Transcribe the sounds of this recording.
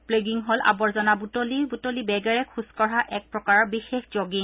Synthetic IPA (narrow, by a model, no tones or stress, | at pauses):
pleɡiŋɦola̰bɔɹzɔnabutolibutolibɛɡɛɹɛkʰuskɔɹaʔɛk̚pɹɔkaɹɔbixexz̥oɡiŋ